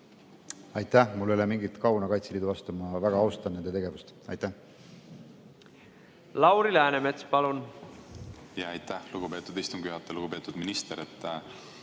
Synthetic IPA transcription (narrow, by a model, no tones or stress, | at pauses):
ɑjt̪ːˑæhmulːolemiŋɡit̪kɑwnɑkɑjt̪seliːd̪uvɑst̪umɑvæɡ̥ɑɑwst̪ɑne̞nd̪e̞t̪e̞ɡ̥e̞vust̪ɑ̰jt̪ːæh | lɑwɾilæːnemet̪spɑlun | jɑɑjt̪ːæhluɡ̥upe̞ːt̪ːˑud̪ist̪umɡ̥yɦɑt̪ːˑeluɡ̥upe̞ːt̪ːˑud̪minist̪eɾet̪ːˑ